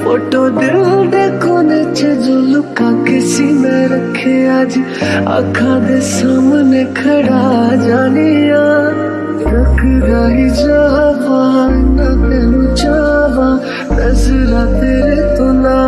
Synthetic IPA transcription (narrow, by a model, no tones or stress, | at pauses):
poːʈoːd̪ɪlɖ̪eːkʰoːnet͡ʃʰed͡ʒoːlʊkãkɪsimẽɾɐkʰeaːd͡ʒ | a̰kʰãːd̪eːsaːmnekʰɐɽad͡ʒaːnijãː | ɾɐkʰɾaːɦid͡ʒaːʋaːnãt̪eːnũt͡ʃaʋaː | nɐzəɾãt̪eːɾet̪ʊnaː